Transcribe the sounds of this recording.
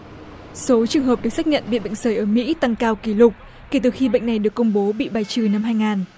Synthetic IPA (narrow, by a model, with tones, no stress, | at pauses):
so˨˦t͡ɕɨ˨˩əŋɦəː˨˩p̚ɗɨ˨˩ək̚sa˦˥k̚ɲə̰˧˨nɓḭ˧˨ɓḛ˧˨ŋ̟zəː˨˧˩jʔəː˧˩mḭ˧˥t̪a˧ŋkaː˧wki˧˩lʊ˨˩k͡p̚ | ke˧˩t̪ɨ˨˩xi˧ɓḛ˧˨ŋ̟na˨˩jɗɨ˨˩əkːʊ˧wŋ͡mɓo˨˦ɓḭ˧˨ɓaː˨˩jt͡ɕɨ˧˩na˧mɦaː˧jŋaː˨˩n